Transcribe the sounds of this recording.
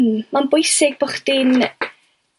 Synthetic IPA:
mmanbʊjsɪɡ̚bʊχd̥in

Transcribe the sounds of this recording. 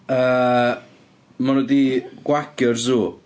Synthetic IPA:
əː | manɔdiɡ̥wakʰərzuː

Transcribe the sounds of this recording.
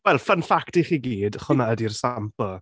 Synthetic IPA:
wɛlˠfənfaktiχiɡiːd̥χʊnaədirsampɔ

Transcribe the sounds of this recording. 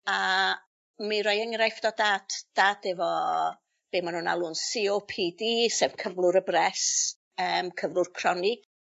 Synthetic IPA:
a | miɾɔjəŋrajfd̥ɔdad̥d̥adɛvɔ | b̥eːmanhuːna̰lˠunsiopʰiːdiːsevkʰəvlˠʊɾəbrɛs | əːmkʰəvlˠʊrkʰr̥ɔnɪɡ

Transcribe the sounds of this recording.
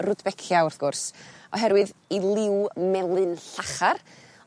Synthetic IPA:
rʊdbɛkʰjaʊrθɡ̥ʊrsɔ̰ɦɛɾwɨðilˠɪwmɛlˠɨnɬaχar

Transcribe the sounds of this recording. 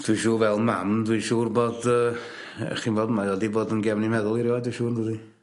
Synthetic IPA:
d̥wiʃuːvɛlˠmamdwiʃuːrboːdə̰ | χiːnvoːdəmajɔdiboːdənɡɛvnimɛðʊlˠiɾjɔdwiʃuːrndəði

